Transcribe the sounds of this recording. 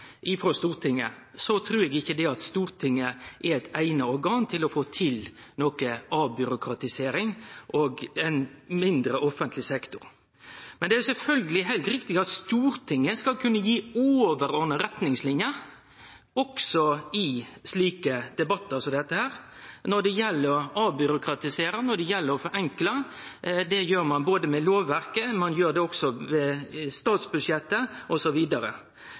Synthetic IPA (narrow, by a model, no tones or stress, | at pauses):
ʔɪfɾɔst̪uːɾt̪ʰɪŋːə̰sɔt̪ʰɾʉːɾɛɡɪçːəd̪ɛɑt̪st̪uːɾt̪ʰɪŋːəʔɛɾɛɪt̪æɪnəɔɾɡɑːnt̪ʰɪlɔfoːt̪ʰɪlnoːkəɑːbʏɾʊkʰɾɑt̪ɪseːɾɪŋʔɔɡɛnmɪnd̪ɾəʔɔfːənt̪lɪsɛkt̪ʊɾ | mɛnd̪ɛæjʊsɛlfœlɡəlɪɦæɪlt̪ɾɪkt̪ɪɑt̪st̪uːɾt̪ʰɪŋːəskɑlkʰʉnːəjiːoːʋəɾɔnəɾɛt̪nɪŋslɪnjə | ɔksɔɪsliːkəd̪ɛbɑt̪ːəsɔd̪ɛt̪ːəhæːɾnɔd̪ɛjɛlːəɾɔɑːbʏɾʊkɾɑt̪ɪseːɾənɔɖ̪ɛjɛlːəɾɔfɔɾɛŋklə | d̪ɛjøːɾmɑnboːd̪əmɛloːʋːæɾkəmɑnjøːɾd̪ɛɔksɔʋɛst̪ɑːt̪sbʉd̪ʂjɛt̪ːəʔɔsɔʋiːd̪ɑɾə̰